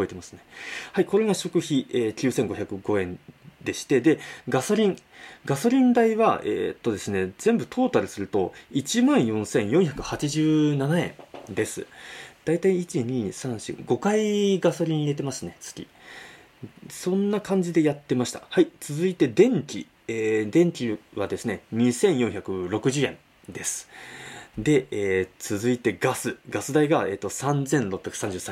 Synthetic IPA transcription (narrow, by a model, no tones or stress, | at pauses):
ɯbo̞et̪e̞masɨ̥ne̞̥haiko̞ɾe̞ɡaɕo̞kɯ̟çieːkʲɨ̟ːsẽ̞ŋɡo̞çʲakɯ̟ɡo̞ẽ̞nd̪e̞ɕi̥t̪e̞d̪e̞ɡaso̞ɾʲĩŋɡaso̞ɾʲĩnd̪aiβaḛːt̪ːo̞d̪e̞sɨne̞z̥ẽ̞mbɯ̟t̪ʰo̞ːt̪aɾɯ̟sɨɾɯ̟t̪o̞̰it͡ɕimãɰ̃jõ̞sẽ̞ɰ̃jõɰ̃çakɯ̟hat͡ɕiʑɨːnanaẽ̞ɴd̪e̞sɨ̰d̪̥ait̪aiːt͡ɕiɲ̟iːsãɰ̃ɕɨ̰ɡo̞kaiɡaso̞ɾʲiɲ̟ie̞t̪̬e̞masɨne̞t͡sɨ̥ɡʲḭ | sõ̞nːakãɲ̟d͡ʑid̪e̞jat̪ːe̞maɕi̥t̪ḁ̰hait͡sɨzɨit̪e̞d̪ẽ̞ŋkʲi | eːd̪ẽ̞ŋkʲiβad̪e̞sɨne̞ɲ̟isẽ̞ɰ̃jõ̞ɰ̃çʲakɯ̟ɾo̞kɯ̟ʑɨːẽ̞̰n | d̪e̞sɨ̥ | d̪e̞eːt͡sɨzɨit̪e̞ɡasɨɡasɨd̪aiɡae̞ːt̪ːo̞sãnd͡zẽ̞nɾopːʲjakɯ̟̥sãɲ̟d͡ʑɨːsã